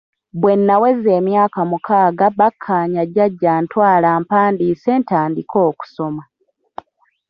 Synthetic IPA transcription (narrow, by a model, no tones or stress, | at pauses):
βwe̞nːawe̞ze̞ːmjaːkamukʰaːɡaβakʰːaːɲaɟːaɟːaːntwaːlaːmpaːndiːse̞ːntaːndiko̞ːku̥so̞ma